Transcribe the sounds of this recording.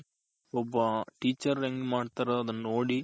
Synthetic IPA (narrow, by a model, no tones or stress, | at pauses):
ɔbːɐʈiːt͡ʃːɐɾeŋɡmaːɖt̪aːɾɐɐd̪ɐnːɐnoːɽi